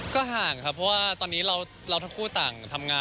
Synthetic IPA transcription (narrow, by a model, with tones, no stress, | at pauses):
kɔː˥˩ɦaː˨˩ŋkʰa˦˥pʰːɔ˦˥waː˥˩t̪ɔː˧nːiː˦˥ɾa˧w | ɾa˧t̪ʰŋkʰuː˥˩t̪aː˨˩ŋt̪ʰa˧mŋaː˧